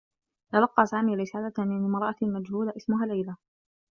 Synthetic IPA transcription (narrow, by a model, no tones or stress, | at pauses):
t̪alɑqːɑːsaːmiːɾɪsaːlanɪmɑɾˤɑʔamad͡ʒhuːlaʔɪsmʊɦaːlːajla